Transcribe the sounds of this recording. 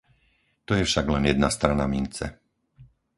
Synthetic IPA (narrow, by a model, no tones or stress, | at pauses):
t̪ɔjɛfʃaɡlɛnjɛd̪nast̪ɾanamint͡sɛ̰